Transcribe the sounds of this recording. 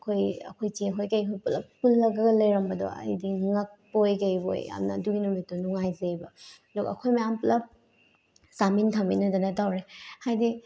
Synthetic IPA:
ɐkʰojɐ̰kʰojtiɦojkɐjɦojpulɐp̚pulːɐɡɐɡɐlɐjɾɐmbɐdɔ̰ɐ̰jdiŋɐk̚pojkɐjbo̰ja̰mnɐ̰dujnumitɔnuŋajzejbɐ | dɔkɐkʰojmɐjampulɐp̚ | samintʰambḭnɐdɐnɐtawɾehajdi

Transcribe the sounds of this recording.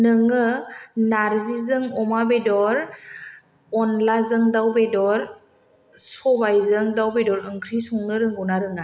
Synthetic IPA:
nɯŋɯnaɾzizɯŋɔmabedɔɾ | ɔnlazɯŋdawbedɔɾ | sɔbajzɯŋdawbedɔɾɯŋkʰɾisɔŋnɯɾɯŋɡɔwnaɾɯŋa

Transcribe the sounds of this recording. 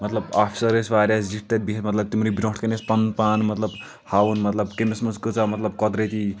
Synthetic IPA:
mɐt̪lɐbapʰi̥sɐɾesʋaːɾʲjasd͡ziʈ̚t̪et̪̚bʱitmɐt̪lɐb̚t̪imɾibiɾõʈʰkenespɐnpanmɐt̪lɐb | hawunmɐt̪lɐbkemesmɐnskut͡samɐt̪lɐbkɔd̪ɾet̪i

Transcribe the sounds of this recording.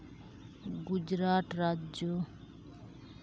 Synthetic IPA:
ɡud͡ʒɾaʈɾad͡ʒjo

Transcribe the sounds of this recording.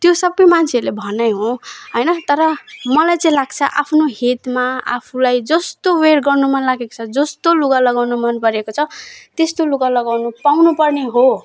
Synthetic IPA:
t̪josʌbʌjmant͡sʰeʌɾlebʱʌnʌjɦõɦojnʌt̪ʌɾʌmʌlajt͡sʌĩlaɡt͡sʰʌʔapʰnoɦet̪maa̰pʰulajd͡zʌst̪oweɽɡʌrnumʌnlaɡeko̥t͡sʰʌd͡zʌst̪oluɡalʌɡawnumʌnpʌɾekot͡sʰʌt̪est̪oluɡalʌɡawnupawnupʌrneɦo

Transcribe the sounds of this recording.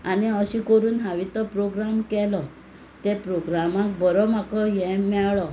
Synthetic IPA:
aniɔɕikɔɾuːnɦaʋit̪ɔpɾoɡɾamkɛlɔ | t̪epɾoɡɾamãk̚bɔɾɔmakɔjɛ̃mɛɭɔ

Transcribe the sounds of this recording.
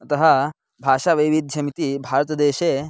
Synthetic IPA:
t̪ɐɦa | bʱaʂaʋəjʋid̪̚d͡ʑʱəmt̪ibʱaɾt̪əd̪eɕe

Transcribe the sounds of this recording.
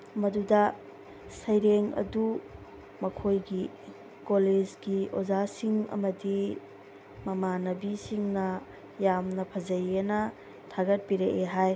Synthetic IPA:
mɐdudɐ | sɐjɾeŋɐ̰du | mɐkʰojɡi | koled͡ʒɡiozasiŋɐ̰mɐdi | mɐmanɐbisiŋnɐ | jamnɐpʰɐzɐjenɐ | tʰaɡɐt̚biɾeʔeɦaj

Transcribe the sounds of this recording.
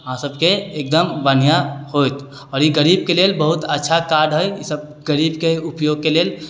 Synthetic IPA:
ɦãsəbkeːk̚d̪əmbən̤ijahojt̪ | ɔːɾjiɡəɾibkelelbəɦut̪ətːʃʰakaɾɖɦəjḭsəb̚ | ɡəɾibkeupjoɡ̚kelel

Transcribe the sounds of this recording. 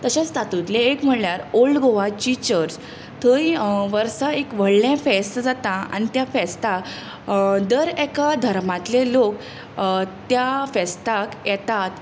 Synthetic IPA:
t̪əɕẽt͡sst̪ʰat̪ut̪leekm̤əɽljaɾolɖɡoʋat͡ɕit͡ɕəɾs | t̪ʰəiʋəɾsaekʋəɽlãfɛst̪əd͡zat̪ãa̰ñit̪jafɛst̪a | d̪əɾɛkad̪ʱəɾmat̪lelok | t̪jafɛst̪akjɛt̪at̪

